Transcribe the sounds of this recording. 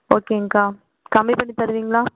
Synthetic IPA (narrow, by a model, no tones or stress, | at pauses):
oːkeːɐŋkaː | kɐmbipɐɳːit̪ɐɾɯʋiːŋɡɐɭaː